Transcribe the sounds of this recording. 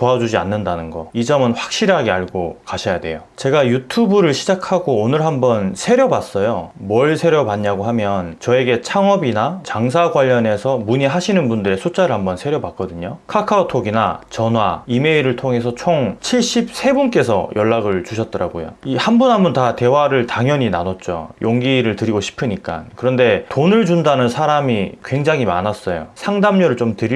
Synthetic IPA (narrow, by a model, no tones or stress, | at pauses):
poad͡ʑud͡ʑia̰nːɯndanɯnɡʌid͡ʑʌmɯnɸwḁk̚ɕ͈iɾɦaɡeaɭɡokaɕʰʌjadwe̞̰jot͡ɕe̞ɡajutʰubuɾɯɭɕʰid͡ʑakʰaɡoːnɯɭɦambʌnsʰe̞ɾjʌbas͈ʌjomwʌɭsʰe̞ɾjʌbaɲːaɡoɦamjʌnt͡ɕʌe̞ɡe̞t͡ɕʰaŋʌbinat͡ɕaŋs̬ʰaɡwaʎːʌne̞sʰʌmuɲiɦaɕʰinɯnbundɯɾe̞sʰot͡ɕ͈aɾɯɭhambʌnsʰe̞ɾjʌbak͈̚ʌdɯɲokʰakʰaotʰoɡina̰t͡ɕʌnɦwa̰ime̞iɾɯɭtʰoŋe̞s̬ʰʌt͡ɕʰoŋt͡ɕʰiɭɕ͈ip̚sʰe̞bunk͈e̞sʰʌ̰jʔʌɭːaɡɯɭt͡ɕuɕʰʌt̚t͈ʌɾaɡojo̰ihanbunɦambʌntate̞waɾɯɭtaŋjʌɲina̰nʌt̚t͡ɕ͈o̰jʔoŋɡiɾɯɭtɯɾiɡoɕʰi̥pʰɯɲik͈a̰nkɯɾʌnde̞tonɯɭd͡ʑundanɯnsʰaɾamikwe̞ŋd͡ʑaŋɦimanas͈ʌjo̰sʰaŋdamɲʌɾɯɭt͡ɕomtɯɾi